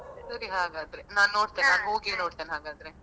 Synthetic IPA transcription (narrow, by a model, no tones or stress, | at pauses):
sɐɾiɦaːɡaːd̪ɾenaːnːo̞ːɽt̪ennaːnɦoːɡeːnoːɽt̪eːnɦaːɡaːd̪ɾe